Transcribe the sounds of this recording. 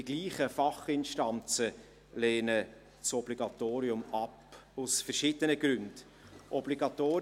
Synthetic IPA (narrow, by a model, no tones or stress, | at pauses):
iɡ̥liːχəfɑχɪnʃtɑnt͡sə | leːnə | sɔb̥liɡɑt̪oːɾiʊmɑpʊsfɛɾʃɪd̥ənəɡɾʉnd̥ | ʔɔbliɡɑt̪oː